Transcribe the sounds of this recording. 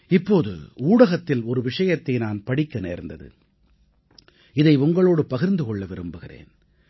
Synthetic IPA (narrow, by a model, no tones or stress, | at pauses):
ɪpːoːðɯ̰uːɽɐɣɐt̪ːɪlɔɾɯʋɪʂɐjɐt̪ːɐɪnaːnpɐɽɪkːɐnḛːɾnd̪ɐðɯ̰ | ɪðɐɪʊŋɡɐɭoːɽɯpɐɣɪɾnd̪ɯkɔɭːɐʋɪɾɯmbɯɣɪrḛːn